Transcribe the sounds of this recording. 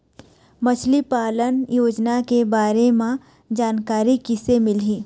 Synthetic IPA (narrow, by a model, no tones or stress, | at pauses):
mət͡ʃʰlipaːlənjoːd͡ʒnakebaːɾemã | d͡ʒaːnkaːɾikɪsemɪlɦiː